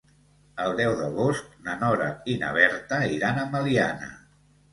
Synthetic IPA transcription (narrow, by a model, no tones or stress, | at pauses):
əlˠd̪ɛwðəɣosk̚nənɔɾə̰inə̰βɛɾt̪əiɾanəməlianə̰